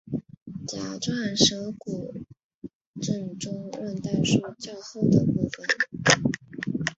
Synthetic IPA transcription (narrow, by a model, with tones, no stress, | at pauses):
t͡ɕja˧˥ʈ͡ʂwa˥˩nʂɤ˧˥ku˨˩ | ʈ͡ʂə˥˩nʈ͡ʂʊ˥ŋwə˥˧nt̪a˥˧ʂu˥t͡ɕjɑ˥˧ʊxo˥˩ʊd̪ə˩pu˥˩fə˨˩n